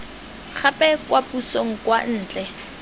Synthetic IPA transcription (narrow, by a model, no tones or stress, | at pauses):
k͡xʰapʼɛkwapusoŋ̩kwan̩ːt͡ɬʼɛ